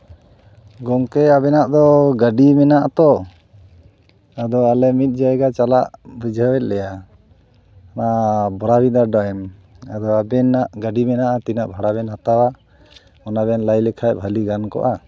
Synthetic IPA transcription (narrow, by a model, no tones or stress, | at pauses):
ɡɔŋkɛabɛnaʔd̪ɔɡaɖimɛnaʔat̪ɔ | ad̪ɔalɛmit̪̚ˀd͡ʒaɛɡat͡ʃalaʔbid͡ʒʱawɛt̪̚lɛja | nabɔɾabid̪aɾɖɔjɛm | a̰d̪ɔabɛnaʔɡaɖimɛnaʔat̪inaʔbʱaɽabɛnhat̪awa | ɔnabɛnlajlɛkʰajbʱaliɡankɔ̰ʔa